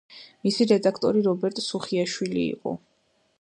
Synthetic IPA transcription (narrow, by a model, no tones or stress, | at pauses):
misiɾɛd̪akʰt̪ʼɔɾiɾɔbɛɾt̪ʼsuχiaʃwilḭːqʼɔ̰